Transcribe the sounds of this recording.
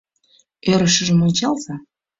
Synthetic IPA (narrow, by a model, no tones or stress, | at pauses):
øɾəʃə̆ʒəmont͡ɕɑlzɑ